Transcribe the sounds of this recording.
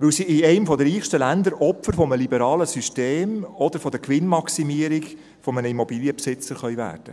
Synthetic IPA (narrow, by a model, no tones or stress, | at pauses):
ʋɵwsiɪɛɪmfɔd̪əɾiːχʃtəlænd̪əɾʔɔpfəɾfɔməlibəɾɑːləsyʃteːmɔd̥̪əɾfɔd̪ɛɾkʋɪnmɑksimiəɾiɡ | fɔmənəimɔbiːljəpsɪt͡səɾχœʏvæ̰ːrd̥ə